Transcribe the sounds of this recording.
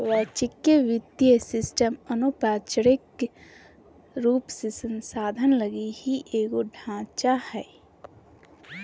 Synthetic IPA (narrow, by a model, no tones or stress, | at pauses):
ʋɛt͡ʃɪkːjeʋɪd̪jəsɪsʈəmənopaːt͡ʃəɾɪk | ɾuːpsesə̃nsaːd̪ʱənləɡihiʔeːɡoɖʱãːt͡ʃahɛː